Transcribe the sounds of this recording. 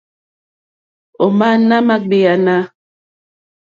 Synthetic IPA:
o˨ma˦na˦ma˦ɡ͡be˨a˨na˦

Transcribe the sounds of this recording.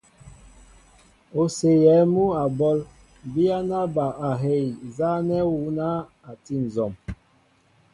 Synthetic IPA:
o˨se˨jɛ˨˦mu˦a˨bɔ˦l | bi˦a˦na˦ba˨a˨ɦe˦˨jza˦nɛ˦wu˨˦na˦ | a˨ti˦˨n̩˨zɔ˨m

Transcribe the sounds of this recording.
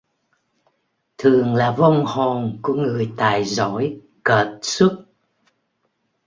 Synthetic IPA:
t̪ʰɨ˨˩əŋlaː˨˩və˧wŋ͡mho˨˩nku˧˩˦əŋɨ˨˩əjt̪aː˨˩jzɔ˧˥˦j | ɣəː˨˩t̚su˦˥t̚

